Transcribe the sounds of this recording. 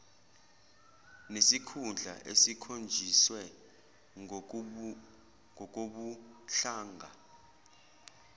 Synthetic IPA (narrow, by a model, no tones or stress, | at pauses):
nesikʰund͡ɮʱa̰ʔḛsikʰond͡ʒʱiswɛ | ŋɔk̬oɓuɬaːŋɡʱa